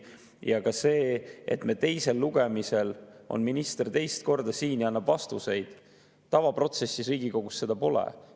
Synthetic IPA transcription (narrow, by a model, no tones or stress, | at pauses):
jɑkɑse̞ːḛt̪me̞ːt̪e̞jse̞lːuɡ̥e̞mise̞lo̞̰nminist̪e̞rt̪e̞jst̪̚ko̞rd̪̥ɑsiːnjɑɑnːɑbvɑst̪use̞jd̪̥ | t̪ɑvɑpro̞t̪se̞sːiɾiːɡ̥iko̞ɡ̥usse̞d̪̥ɑpo̞lḛ